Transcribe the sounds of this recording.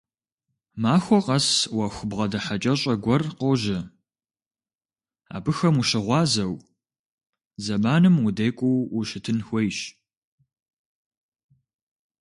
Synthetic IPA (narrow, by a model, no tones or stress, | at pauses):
maːxʷɔqɐswɐxʷʊbʁɐdɐħat͡ʃʼɐɕʼɐɡʷɔrqoʒɐ | a̰ːbɨxɐmuɕɪʁʷɑːzɐw | zɐmaːnɨmʊdejkʷʼuwwʊɕɪtʰɨnxʷejɕ